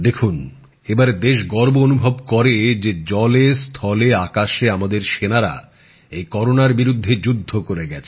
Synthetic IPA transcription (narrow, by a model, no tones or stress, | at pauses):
d̪ekʰun | ebaɾd̪eʃɡɔɾboonubʱobkɔɾed͡ʑed͡ʑɔlest̪ʰɔleakaʃeamad̪eɾʃenaɾa̰ | ejkɔɾonaɾbiɾud̪ʱːed͡ʑud̪ʱːokoɾeɡɛt͡ɕʰe̥